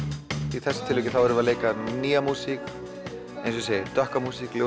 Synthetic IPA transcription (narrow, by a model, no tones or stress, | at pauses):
iθɛsːḁnt̪ʰɪlveɛcɪθawɛɾʏvɪaðleːjkaniːamuːsik | ejns̬ɔset̪œhkamuːsikljo